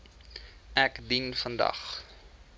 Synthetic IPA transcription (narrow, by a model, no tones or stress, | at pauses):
ʔækdinfəndɐ̰χ